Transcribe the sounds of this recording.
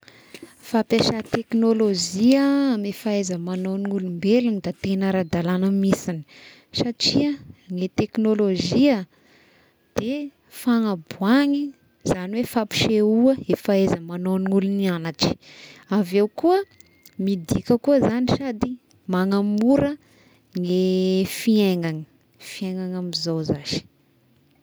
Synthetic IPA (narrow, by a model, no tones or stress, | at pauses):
fapaʃat̪eknoloziəamefaezəmanoniŋulumbelunid̪at̪enəɾad̪alanəmisini̥ | saʈ͡ʂiəŋet̪eknoloʒiə | d̪̥e | faŋabuaŋi | z̥aniwefapi̥ʃeuəefaezəmanoniulunianaʈ͡ʂi̥avewkuə | mid̪ikʲəkuəzaniʃad̪i | maŋamuɾə | ŋefieŋaŋə | fieŋaŋamizozaʃi̥